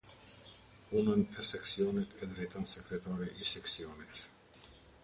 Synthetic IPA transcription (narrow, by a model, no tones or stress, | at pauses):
punənɛsɛksiɔnit̪ʰɛd̪ɾɛjt̪ansɛkɾɛt̪aɾiʔisɛksiɔnit̪